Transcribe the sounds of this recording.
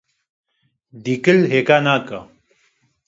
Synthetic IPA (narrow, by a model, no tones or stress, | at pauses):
d̪iːkəlɦeːkaːnaːka